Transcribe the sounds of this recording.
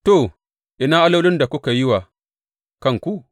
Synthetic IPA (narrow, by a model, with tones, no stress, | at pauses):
to˦˨ | ʔi˨na˦ʔa˦la˦lʊ˦nda˨ku˦ka˨ji˦wa˨ | ka˦˨ŋku˦